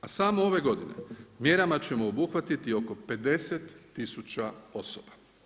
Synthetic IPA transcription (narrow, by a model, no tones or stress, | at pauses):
asaːmoo̞ʋe̞ɡo̞d̪ine̞̰mje̞ɾamat͡ɕe̞moobuxʋat̪it̪io̞ko̞pe̞d̪e̞set̪ːisut͡ɕao̞soba